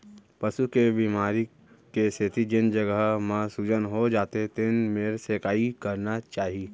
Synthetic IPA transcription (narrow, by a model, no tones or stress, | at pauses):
pɐʃukebiːmaːɾi | keset̪id͡ʒɪnd͡ʒɐɡəɦmãsud͡ʒənɦod͡ʒaːt̪et̪ɪnmeːɾseːkaːikɐɾnat͡ʃaːɦiiː